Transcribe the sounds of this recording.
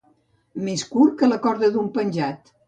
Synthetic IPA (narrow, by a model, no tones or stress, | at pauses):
meskuɾkələkɔɾðəðumpənʲʒat̪